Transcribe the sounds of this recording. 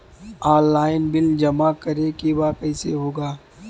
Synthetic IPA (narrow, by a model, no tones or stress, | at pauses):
aːɾlaːɪnbɪld͡ʒɐmakɐɾekebakɛɪsḛɦoːɡaː